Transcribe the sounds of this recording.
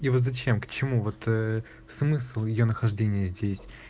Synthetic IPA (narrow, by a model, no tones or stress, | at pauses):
ivo̞t̪zɐt͡ɕe̞mkt͡ɕɪmuvo̞t̪ə | smɨslˠjɪjo̞nəxɐʐdʲenʲɪjəzʲdʲesʲ